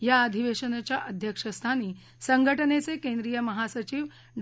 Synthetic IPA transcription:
jaːd̪ʱiʋeʃənət͡ɕjaʔəd̪ʱjəkʂəst̪ʰaniː | səŋɡʱəʈənet͡sekẽnd̪ɾijəmɐɦasət͡ɕiːʋ | ɖ

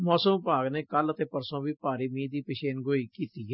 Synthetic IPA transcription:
mɔːsəmpaːɡneːkələt̪eːpəɾsõːʋiːpaːɾiːmiːd̪iːpɪʃeːnɡoːiːkiːt̪iːɛː

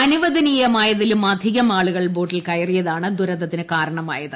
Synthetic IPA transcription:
ɐnuʋɐðɐnijɐmaːjɐðilumɐd̪ʱiɣɐmaːɭuɣɐɭbo̞ːʈːilkɐjɐrijɐðaːɳɨd̪uɾɐd̪ːɐt̪ːinɨkaːɾɐɳɐma̰ːjɐðɨ

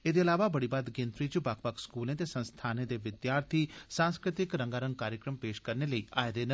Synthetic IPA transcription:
ed̪eːɐlaːʋabəɽibaːd̪ɡẽnt̪ɾiːt͡ʃbaːkʰpəkskuːlẽt̪eːsə̃nst̪ʰaːnẽd̪eːʋɪd̪jaːɾt̪ʰiːsãːnskɾɪt̪ɪkɾə̃ŋɡaːɾə̃ŋɡ̚kaːɾjəkɾəmpeːʃkəɾneləiːʔaːed̪eːnə

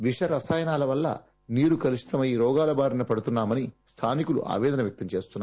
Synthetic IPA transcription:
ʋiʂɐɾɐsaːjɐnaːlɐʋɐlːɐ̰ | niːɾukɐɾiʂi̥t̪ɐmɐjiɾɔːɡaːlɐbaːɾinɐpɐɽut̪unːaːmɐnist̪ʰaːnikulṵʔa̰ːʋɛːd̪ɐnɐʋjɐk̚t̪ɐmt͡ʃe̞ːst̪unːa

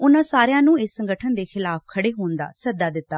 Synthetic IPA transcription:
ʊnãːsaːɾjãːnũːɪsːəŋɡəʈʰənd̪eːxɪlaːpʰkʰəɽeːɦoːnd̪a̰ːsəd̪aːd̪ɪt̪ːaː

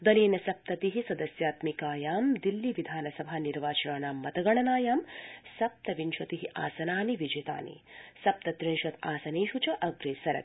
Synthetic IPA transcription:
d̪ɐleːnɐsɐp̚t̪ɐt̪iɦisɐd̪ɐsjaːt̪mikaːjaːmd̪ilːiʋid̪ʱaːnɐsɐbʱaːniɾʋaːt͡ʃɐɳaːnaːmːɐt̪ɐɡɐɳɐnaːjaːmsɐp̚t̪ɐʋinʃɐt̪iɦiʔa̰ːsɐnaːniʋid͡ʒet̪a̰ːnḭsɐp̚t̪ɐt̪ɾinʃɐt̪aːsɐneːʃut͡ʃɐʔɐɡɾeːsɐɾɐ̰t̪̚

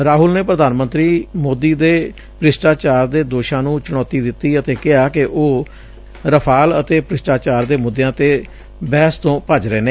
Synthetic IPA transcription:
ɾaːɦʊlneːpɾəd̪aːnmənt̪ɾiːmoːd̪iːd̪eː | pɾɪsʈaːt͡ʃaːɾd̪eːd̪oːʃãːnũːt͡ʃʊɽɔːt̪iːd̪ɪt̪ːiːət̪eːkɪɦaːkɪʔoː | ɾəpʰaːlət̪eːpɾɪsʈaːt͡ʃaːɾd̪eːmʊd̪ːjãːt̪eː | bɛːst̪õːpəd͡ʒɾeːneː

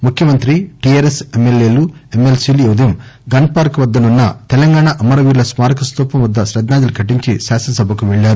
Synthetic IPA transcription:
mukʰjɐmɐnt̪ɾiʈieːɾesemːeljeːluemelsiːlujeʋd̪ɐjɐmɡɐnpaːɾkʋɐd̪ːɐnunːɐt̪ɛlɐŋɡaːɳaʔɐmɐɾɐʋiːɾlɐsmaːɾɐkɐst̪uːpɐmʋɐd̪ːɐʃɾɐd̪naːd͡ʒ̪ɐlukʰɐʈiɲt͡ʃḭʃaːsɐnɐsɐbʱɐkuʋɛɭːaːɾu

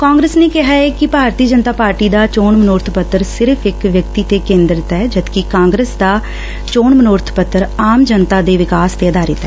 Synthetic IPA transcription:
kãːŋɡɾeːsneːkɪɦaːɛːkɪpaːɾt̪iːd͡ʒənt̪aːpaːɾʈiːd̪aːt͡ʃoːɳmənoːɾt̪ʰpət̪ːəɾsɪɾəpʰɪkʋjəkt̪iːt̪eːkẽːnd̪ɾɪt̪ɛːd͡ʒəd̪kikãːŋɡɾəːsd̪aː | t͡ʃoːɳmənoːɾt̪ʰpət̪ːəɾaːmd͡ʒənt̪aːd̪eːʋɪkaːst̪eːəd̪aːɾɪt̪ɦɛː

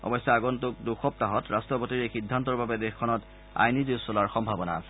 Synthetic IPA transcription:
ɔ̰bɔjsːɔaɡɔntʊk̚duxɔp̚taɦɔtɹastɹɔpotiɹexidʱːantɔɹbabɛdɛxkʰːɔnɔt | a̰jnizisɔlaɹxɔmbʱabɔna̰a̰sɛ̥

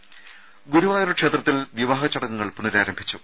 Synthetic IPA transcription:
ɡuɾuʋaːjoɾɐkʂeːt̪rɐt̪ːilʋiʋaːɣɐt͡ɕːɐɽɐŋːɐŋːɐɭpunɐɾaːɾɐmbʱit͡ɕːu

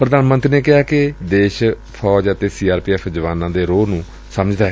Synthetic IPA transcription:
pɾəd̪aːnmə̃nt̪ɾineːkɪɦaːkɪd̪eːʃ | pʰɔːd͡ʒət̪eːsiːaːɾpiːɛːpʰd͡ʒəʋaːnãːd̪eːɾoːnũː | səməd͡ʒd̪aːɦɛ

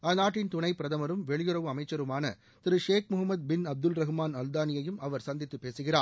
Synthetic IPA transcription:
ɐːnaːʈːɪnt̪ʊnɐɪpɪɾɐðɐmɐɾɯmʋɛɭɪjɯɾɐʋɯɐmɐɪt͡ʃːɐɾɯmaːnɐ | t̪ɪɾɯʂeːk̚mʊɦɐmːɐd̪̚bɪnɐb̚d̪ɯlɾɐɣɯmaːnɐld̪aːnɪjɐjɯmɐʋɐɾsɐnd̪ɪt̪ːɯpːeːsɯɣɪraː

